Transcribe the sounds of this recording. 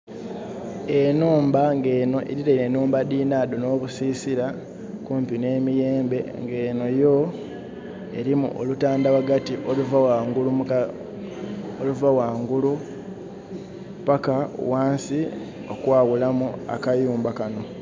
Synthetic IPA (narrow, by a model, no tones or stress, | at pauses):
e̞nuːmbaŋɡe̞ːno̞ʔḛɾiɾaiɾe̞nuːmbadiːnaːdono̞ːβusiːsiɾa | kuːmpine̞ːmije̞ːmbe̞ŋɡe̞ːno̞jo̞ | e̞ɾimṵʔolutaːndaβaɡatiʔoluvawaŋɡulu | oluvawaːŋɡulu | paka̰waːnsi | o̞kwaːwulamua̰kajuːmbakano̞